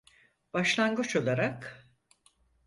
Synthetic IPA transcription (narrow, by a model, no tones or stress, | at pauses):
b̥aʃlˠanɡɯt͡ʃo̞lˠaɾak